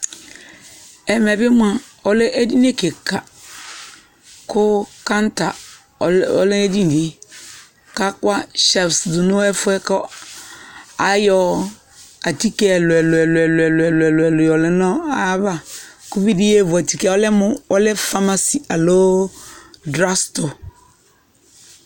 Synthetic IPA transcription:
ɛ˨mɛ˨bɪ˦m˦a˨ | ɔ˦lɪ˦ʔe˦di˦ne˦ke˨kʰa˨ | kʰʊ˦kã˦n˦ta˨ | ɔ̰˦lɪ˦e˦di˦n˨di˦ | ka˦kwa˦ʃɛ˨fsdu˨nʊ˦ɛ˦fʊ˦ɛ˦kɔ˦ | a˨jɔ˦ | a˨ti˦kɛ˦˨lʊ˨ɛ˨lʊ˨ɛ˨lɛ˨lʊ˨ɛ˨lɛ˨lʊ˨ɛ˨lʊ˨ɛ˨lʊ˨jɔ˨lɪ˦nɔ̃˦a˦ba˦kʊ˦bi˦di˦e˦˨vʊ˨a˨ti˨kɛ˦ɔ˦lɛ˦mʊ̃˦wɔ˦lɛ˦fa˦ma˦si˨a˨lo˦ | dɾa˦sto˨

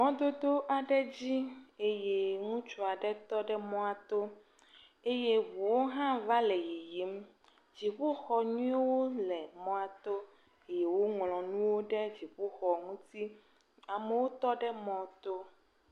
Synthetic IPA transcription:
mɔ̃˦d̪o˦d̪o˦ʔa˨ɖɛ˦d͡ʑi˦e˦je˦ŋũ˦t͡ʃu˨a˨ɖɛ˦t̪ɔ˦ɖɛ˦mɔ̃˦a˨t̪o˦ | e˦je˦vu˨wo˦ɦã˦va˦le˨ji˨ji˨˦m | d͡ʑi˨ɸu˦xɔ˨ɲũ˦e˦wo˦lɛ˨mɔ̃˦a˨t̪o˦ | e˦je˨wo˦ŋlɔ̃˨nũ˦wo˦ɖɛ˦d͡ʑi˨ɸu˦xɔ˨ŋũ˦t̪i˦ | a˨me˨wo˦t̪ɔ˦ɖɛ˦mɔ̃˦t̪o˦

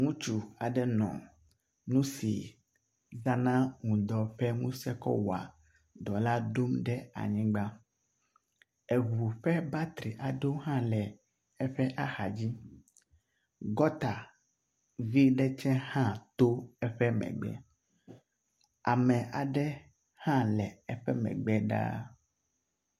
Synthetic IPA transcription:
ŋũ˦t͡ʃu˨a˨ɖɛ˦nɔ̰̃˨ | nũ˦sḭ˨ | za˦nã˦ŋũ˨d̪ɔ˨ɸɛ˦ŋũ˦sɛ˦kɔ̰˦wa̰˨ | d̪ɔ˨la˦ɖo˦mɖɛ˦a̰˨ɲĩ˦ɡ͡ba˦ | ɛ˨vu˨ɸɛ˦ba˦t̪ɾi˨ʔa˨ɖo˦ɦã˦lɛ˨ | ɛ˦ɸɛ˦ʔa˦xa˨d͡ʑi˦ | ɡɔ˦t̪a˨ | vi˦ɖɛ˦t͡ʃɛ̃˦hã˦t̪o˦ɛ˦ɸɛ˦mɛ̰̃˨ɡ͡bɛ̰˦ | a˨mɛ̃˨ʔa˨ɖɛ˦ | hã˦lɛ˨ɛ˦ɸɛ˦mɛ̰̃˨ɡ͡bɛ˦ɖa̰˦

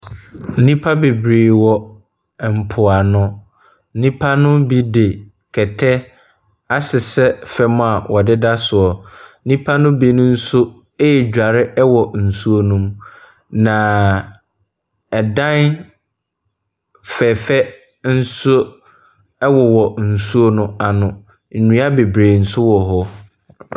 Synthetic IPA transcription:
n̩˦nĩ˦pʰa˦be˨bɾeː˨wɔ˦˨ | m̩˨pʰʊ˨a˨nʊ̃˦ | n̩˦nĩ˦pʰa˦nʊ̃˦bi˦de˨ | kʰɛ˨tʰɛ˦ | a˦sɪ˨sɛ˦fɛ˦mʊ̃˦a˨wʔɔ˨dɪ˦da˦sʊ˨ɔ˨˦nĩ˦pʰa˦nʊ̃˦bi˦nʊ̃˦n̩˦sʊ˦ | e˦ɛ˨d͡ʑᶣa˨ɾɪ˦ɛ˦wɔ˨n̩˨su˦o˦nũ˦m | nã˨ | ɛ˨dã˦n | fɛ˨fɛ˦ | n̩˦sʊ˦ | ɛ˦wɔ˨wɔ˨n̩˨su˦o˦nʊ̃˦a˨nʊ̃˨ | ɲĩ˨˦a˦be˨bɾeː˨n̩˨sʊ˦wɔ˨ɦɔ˦

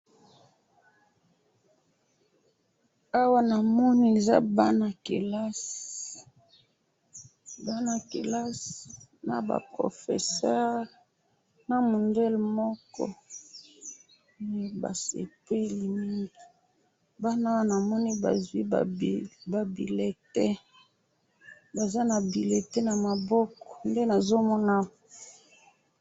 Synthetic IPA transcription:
a˦wa˦na˨mɔ˦ni˦e˨za̰˦ba˦na˨ke˨la˦s | ba˦na˨ke˨la˦s | na̰˨ba̰˨pʁo̰˨fḛ˨sɛ˦ʁ | na˨mo˨ndɛ˦lmɔ˦kɔ̰˦ | ba̰˨sḛ˨pe˦li˨ni˦ŋɡi˨ | ba˦na˦wa˦na˨mɔ˦ni˦ba̰˨zwi˦a̰˨ba˨bḭ˨le˨tɛ˦ | ba˨za˦na˨bi˨le˨tɛ˦na˨ma˨bɔ˦kɔ̥˨nde˦na˨zo˦mɔ˦na˦

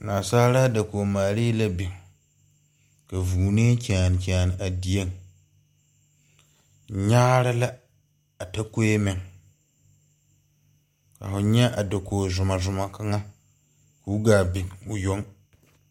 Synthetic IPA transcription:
naː˨saː˦ɾa˦da˨koː˨maː˨ɾiː˦la˦bɪ˨ | ka˨vuː˨ne˦kʲa˨nɪ˨kʲɛ˨nɪ˨ʔa˨di˨je˦ŋ | ɲaː˦ɾa˦la˦ | a˨ta˦ko˦e˦mɪ˨ŋ | ka̰˨fʊ˨ɲɛ˦ʔa˨da˨kʰoː˨zʊ˨ma˨zʊ˨ma˨ka˦ŋa˦ | ku˦ɡaː˨bɪ˨ʊ˨jo˦ŋ

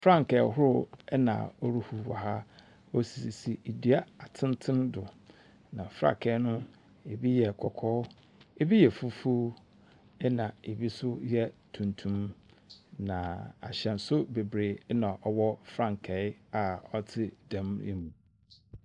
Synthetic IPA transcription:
fɾã˦˨ŋkɛ˨˦ɦʊ˦ɾʊ˨ɛ˦nã̰˨ɔ˦ɾu˦hu˨wɔ̰˨ɦa˦ | o˦si˨si˨si˨i˨di˨a˦a˨tʰɪ̃˦n˦tʰɪ̃˦ndʊ˨ | nã˨fɾa̰˨kʰɛ˨˦nʊ̃˦ | e˨bi˦jɛ˨kʰɔ˨kʰɔː˦ | e˦bi˦jɛ˨fu˦fu˦ | ɛ˦nã˨e˨bi˦sʊ˦jɛ˦tʰũ˨ntʰũ˦m | nã˨a̰˨ɕɛ̃˨n̩˨sʊ˦be˨bɾeː˨˦nã˨ʔɔ˦˨wɔ˦fɾã˦˨ŋ˨kʰɛ˨˦ɪ˦a˨ɔ˦tʰɪ˦dã˨mḭ̃˦mu˨

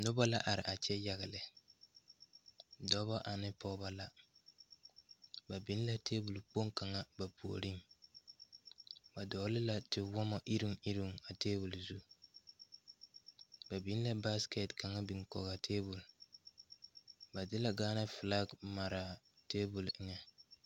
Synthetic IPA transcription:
nʊ˦ba˦la˦ʔa˨ɾɪ̰˨ʔa˨t͡ʃɛ˦ja˦ɣɪ˨lɪ˨ | dɔ˦ba˦ʔa˨nɪ˦pɔ˦ba˦la˦ | ba˨bi˦n˦la˦teː˦bu˨lk͡po˦ŋka˨ŋa˦ba˨pu˨o̰˨ɾi˦ŋ | ba˨dɔː˨˦lɪ˦la˦tɪ˨wɔ˦mɔ˨ʔi˦ɾi˦ŋi˦ɾi˦˨ŋa˨teː˦bu˨lzu˦ | ba˨bi˨˦n˦la˦ba˦skɛ˨tka˨ŋa˦bi˨ŋkɔ̰˨ɣa˨tʰeː˦bu˨l | ba˨dɪ˦la˨ɡaː˦na˦fɪ˨la˦ɡma˨ɾa˨ | teː˦bu˨lɪ˦ŋɛ˨

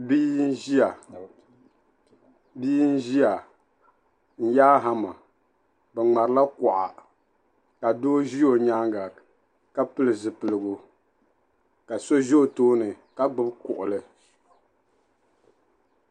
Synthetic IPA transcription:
bi˦ʒi˦a˨ | biː˦n̩˦ʒi˦a˨ | n̩˦jaː˦ɦa˦ma˨ | bɛ˨ŋ͡ma˨ɾɨ˨˦la˦kɔ˨ʔa̰˨ | ka˨doː˦ʒi˦o˨ɲa˦ŋɡa˨ | ka˦pɨ˦lɨ˨zɨ˨pɨ˨lɨ˨ɡʊ˨ | ka˨so˦ʒi˦o˨toː˦nɨ˨ | ka˦ɡ͡bɨ˦bkʊ˨ʔʊ˨lɨ˨

